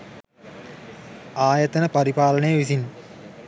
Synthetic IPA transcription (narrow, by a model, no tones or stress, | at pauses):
aːjət̪ənəpɐɾipaːlənəjəʋisin